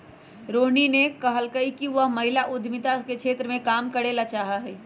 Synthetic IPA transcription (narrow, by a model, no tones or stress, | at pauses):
ɾoːɦninekəɦəlkəikiʋəɦmɐɦɪlaʔʊd̪ʱmɪt̪akekt͡ʃʰʃʰeːt̪ɾəmẽkaːmkəɽeːlat͡ʃaːɦaɦɛː